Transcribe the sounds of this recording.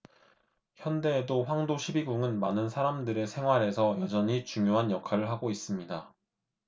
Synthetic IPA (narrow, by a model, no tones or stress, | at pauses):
çjʌnde̞ːdoɸwaŋdoɕʰibiɡuŋɯnmanɯnsʰaɾamdɯɾe̞sʰe̞ŋɦwaɾe̞sʰʌjʌd͡ʑʌɲit͡ɕuŋjoɦanjʌkʰaɾɯɭɦaɡois͈ɯmɲida